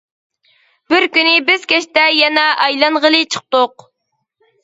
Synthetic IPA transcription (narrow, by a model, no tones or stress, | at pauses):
b̥ɪɾkʲynɪbɪz̥kʲɛʃt̪ɛjɛnɛʔɑjlˠɑnʁəlˠɨt͡ʃʰə̥q̚t̪oq